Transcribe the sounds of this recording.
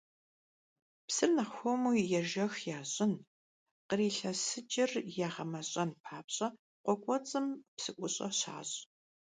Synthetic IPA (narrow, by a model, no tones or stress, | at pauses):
psɨrnɐxʷɔmuːjɛʒɐxjaːɕʼɪn | qəriːɬɐsɨt͡ʃʼɪrjaːʁɐmɐɕʼɐnpʰaːpɕʼɐ | qʷɔkʷʼɔt͡sʼɨmpsɨʔʷʼʊɕʼɐ̰ɕa̰ːɕʼ